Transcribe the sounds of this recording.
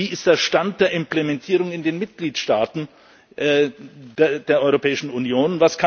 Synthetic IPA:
iːɪstd̥eːɐʃtant̚d̥eːɐʔɪmplɛmɛntʰiːʁ̞ʊŋɪndeːnmɪt̚ɡ̥liːtʃtaːtn̩ | ʔɛ | d̥eːɐʔɔʏʁopʰɛːɪʃn̩unjoːnvaskʰa

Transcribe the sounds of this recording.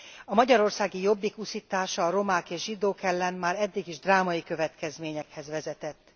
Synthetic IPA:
ɒmɒɟɒɾo̞rsaːɡijo̞bːikusit̪aːʃɒːɾo̞maːkeːʒʒid̪oːkɛlːɛnmaːɾɛd̪ːiɡiʒd̪raːmɒikø̞vɛt̪kɛzmeːɲɛkhɛzʋɛzɛt̪ɛt̪ː

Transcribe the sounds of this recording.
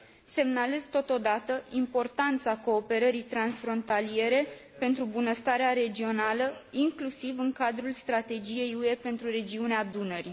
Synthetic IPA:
se̞mnale̞zt̪ot̪od̪at̪əimpo̞rt̪ant̪sako̞ːpe̞ɾəɾijt̪ɾansfɾo̞nt̪alie̞ɾe̞pe̞nt̪ɾubunəst̪aɾeaɾe̞d͡ʒio̞naləiŋklusivɨŋkad̪ɾulst̪ɾat̪e̞d͡ʒije̞jue̞pe̞nt̪ɾure̞d͡ʒiunead̪unəɾi

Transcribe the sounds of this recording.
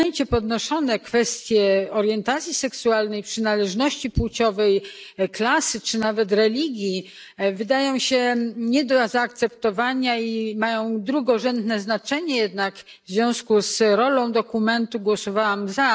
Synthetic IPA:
ɛɲt͡ɕɛpɔd̪nɔʂɔnɛkfɛst̪ʲjɛɔɾjɛnt̪at̪sʲjisɛksualnɛjpʂɘnalɛʐnɔɕt͡ɕipwut͡ɕɔvɛjklasɘt͡ʂɘnavɛt̪ɾɛlʲiɡʲji | vɘd̪ajɔ̃w̃ɕɛɲɛd̪ɔzaːk̚t̪sɛpt̪ɔvaɲaimajɔ̃w̃d̪ɾuɡɔʐɛnd̪nɛznat͡ʂɛɲɛjɛd̪nak | vzvʲjɔ̃w̃skusɾɔlɔ̃w̃d̪ɔkumɛnt̪uɡwɔsɔvawamza

